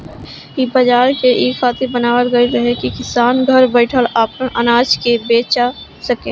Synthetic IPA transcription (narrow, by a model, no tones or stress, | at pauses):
ibɐd͡ʒaːɾkeʔeːkfʰaːt̪ibənaːʋəlɡəiɾɐɦekikɪsaːnɡʱəɾbəɪʈʰəlaːpə̃ʔənaːd͡ʒkebeːt͡ʃa | sɐkḛ̃ː